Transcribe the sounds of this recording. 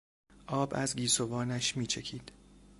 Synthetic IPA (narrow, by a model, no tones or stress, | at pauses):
ʔɒːbæ̰zɡiːsovɒːnæʃmiːt͡ʃʰe̞cʰiːd̪̥